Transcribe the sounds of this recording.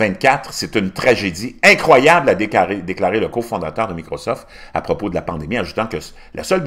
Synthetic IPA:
ɛ̃t̪̚kʲat̪ʁset̪ynt̪ʁaʒed̪iɛ̃kχwajablaeʁed̪eklaːʁeləkofɔ̃d̪at̪œːʁd̪əmikʁɔsɔft̪ | a̰pʁɔpod̪əlapɑ̃d̪emiaʒut̪ɑ̃kə | lʔa̰sœlb

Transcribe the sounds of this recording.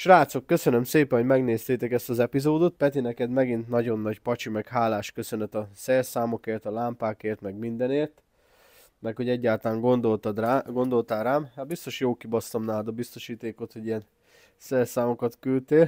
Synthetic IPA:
ʃraːt̪so̞kːøsø̞nømseːpɛnɦoɟmɛɡneːst̪eːt̪ɛkɛst̪ɒzɛpizoːd̪ot̪̚pɛt̪inɛkɛd̪mɛɡint̪nɒɟo̞nːɒɟpɒt͡ʃimɛkhaːlaːʃkøsø̞nɛt̪ɒsɛrsaːmo̞keːrt̪ɒlaːmpaːkeːrt̪mɛɡmind̪ɛneːrt̪ | mɛkho̞ɟɛɟːaːlt̪laːŋɡond̪o̞lt̪ɒd̪raːɡo̞nd̪o̞lt̪aːlraːmhat̪̚bist̪o̞ʃjoːkibɒst̪ɒmnaːd̪ɒbist̪o̞ʃiːt̪eːko̞t̪ho̞ɟijɛn | sɛrsaːmo̞kɒt̪kylt̪eːl

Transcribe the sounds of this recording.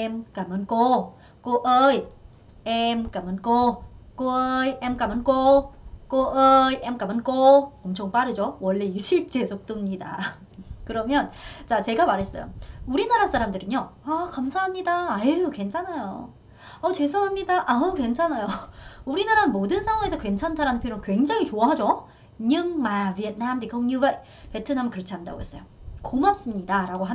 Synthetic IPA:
emk͈amɯnk͈o | k͈oʔʌi | emk͈amɯnk͈ok͈ojemk͈amɯnk͈ok͈oʔʌjemk͈amɯnk͈oʌmt͡ɕʰoŋp͈aɾɯd͡ʑowʌɭːeiɕʰiɭt͡ɕ͈e̞sʰok̚t͈omɲida̰ | kɯɾʌmjʌnt͡ɕat͡ɕe̞ɡamaɾes͈ʌjo̰uɾinaɾas͈ʰaɾamdɯɾɯɲoakamsʰaɦamɲidaːjeoke̞nt͡ɕʰanajo̰ | ʌt͡ɕe̞sʰoɦamɲidaʔakwe̞nt͡ɕʰanajouɾinaɾaɯnmodɯnsʰaŋwaŋe̞sʰʌkwe̞nt͡ɕʰantʰaɾanɯnpʰoɾokwe̞ŋd͡ʑaŋɦit͡ɕoaɦad͡ʑo | ɲɯŋmaviet̚namdikʰoŋɲuwe | pe̞tʰɯnamkɯɾʌt͡ɕʰiɦanda̰ɡo̰ɦe̞s͈ʌjokomap̚s͈ɯmɲidaɾaɡoɦa

